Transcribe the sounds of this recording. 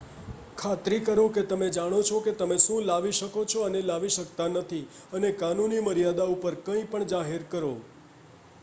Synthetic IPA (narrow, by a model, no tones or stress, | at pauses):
kʰat̪ɾikəɾũket̪əmed͡ʒaɽ̃ot͡ʃʰoket̪əmeʃũlaʋiʃəkot͡ʃʰɔənelaʋiʃəkt̪anət̪ʰi | ənekanuniməɾijad̪aupəɾkəĩpəɳd͡ʒaɦeɾkəɾo